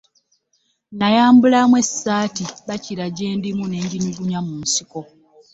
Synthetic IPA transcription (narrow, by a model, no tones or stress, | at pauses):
najaːmbulamwe̞sːaːtiβaciɾaɟe̞ːndimune̞ːɲɟinuɡuɲamuːnsiko̞